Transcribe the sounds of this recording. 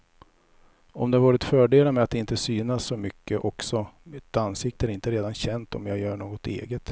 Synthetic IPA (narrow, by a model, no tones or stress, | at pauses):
ɔmd̪ɛhavɑːɾɪt̪fœːɖeːlamɛat̪ːɪnt̪əsyːnasːɔmʏkːəʔɔksɔmɪt̪ansɪk̚t̪əæɾɪnt̪əɾeːd̪anɕɛnt̪ʰɔ̰mjɑːɡjœːɳoːɡɔt̪ḛːɡət̪